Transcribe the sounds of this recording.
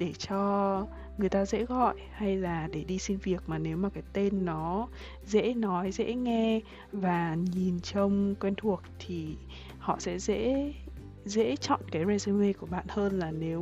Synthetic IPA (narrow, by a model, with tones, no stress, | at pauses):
ɗe˧˩t͡ɕɔ˧ | ŋɨ˨˩əjt̪aː˧zḛ˧˥ɣɔ̰˧˨jha˧jlaː˨˩ɗe˧˩ɗi˧si˧nvi˨˩ək̚maː˨˩ne˨˦wmaː˨˩kaː˨˦jt̪e˧nːɔ˨˦ | zḛ˧˥nɔ˨˦jzɛ̰˧˥ŋɛ˧ | vaː˨˩ɲi˨˩nt͡ɕə˧wŋ͡mkwɛ˧nt̪ʰu˨˩ək̚t̪ʰi˨˩ | hɔ̰˧˨sɛ̰˧˥zḛ˧˥ | zḛ˧˥t͡ɕɔ̰˧˨nkaː˨˦jze˧ze˧me˧ku˧˩əɓa̰ː˧˨nhəː˧nlaː˨˩ne˨˦w